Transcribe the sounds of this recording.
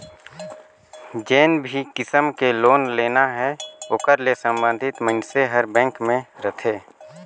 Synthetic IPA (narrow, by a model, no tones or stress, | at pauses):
d͡ʒeːnbʱikɪsəmkeloːnleːnaɦɛoːkəɾlesə̃mbə̃nd̪ʱɪt̪mə̃nseɦəɾbɛ̃ːŋkmẽɾət̪ʰeː